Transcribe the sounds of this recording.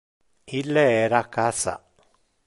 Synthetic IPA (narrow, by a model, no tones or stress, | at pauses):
ilːeɛːɾakːaːsa̰